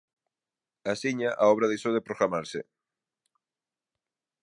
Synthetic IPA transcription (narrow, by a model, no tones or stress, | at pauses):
asiɲaʔaɔβɾaðesowðepɾoɣɾamaɾsɪ̰